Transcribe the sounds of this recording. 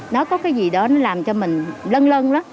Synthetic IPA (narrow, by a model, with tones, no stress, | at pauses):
nɔ˨˦kɔ˨˦kaː˨˦jzi˨˩ɗɔ˨˦nɔ˨˦laː˨˩mt͡ɕɔ˧mï˨˩ŋ̟lə˧nlə˧nlaː˨˦m